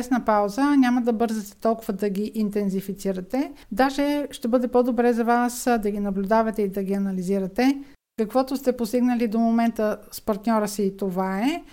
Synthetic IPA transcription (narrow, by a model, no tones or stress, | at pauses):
ɛsnəpawzənʲaməd̪ɐbɤɾzət̪ɛ̥t̪ɔlˠkʊvəd̪ɐɡʲiʔint̪ɛnzifit̪siɾət̪ɛd̪aʒɛʃt̪ɛbɤd̪ɛpɔd̪obɾɛzɐvasd̪ɐɡinɐblʲʊd̪avɐt̪ɛid̪ɐɡʲiɐnɐliziɾət̪ɛ | kəkvɔt̪ʊst̪ɛpost̪iɡnəlid̪omomɛnt̪əspɐɾt̪nʲɔɾəsiːt̪ovaɛ